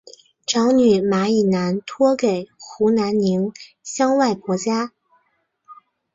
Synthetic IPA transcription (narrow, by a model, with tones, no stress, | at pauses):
ʈ͡ʂɑ˧˥ŋny˨˩ma˧˥i˨˩na˧˥nt̪ʰwɔ˥ke˨˩ɪxu˧˥na˧˥nni˧˥ŋ | ɕjɑ˥ŋwa˥˩ɪkwɔ˧˥t͡ɕja˥